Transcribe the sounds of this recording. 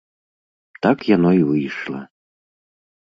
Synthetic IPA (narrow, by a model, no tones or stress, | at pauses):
t̪akjanɔivɨjʂlˠɐ̰